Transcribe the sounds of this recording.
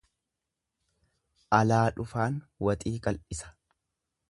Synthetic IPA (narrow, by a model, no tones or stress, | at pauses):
ʔɐlaːᶑʊfaːn | wɐt̪ʼiːkʼɐlʔɪsɐ̥